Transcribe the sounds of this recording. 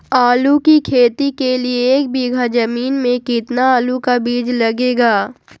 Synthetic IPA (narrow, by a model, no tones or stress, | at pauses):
aːlukikʰeːt̪ikelieːk̚biːɡʱad͡ʒɐmiːnmẽkɪt̪naaːlukabiːd͡ʒlɐɡeːɡaː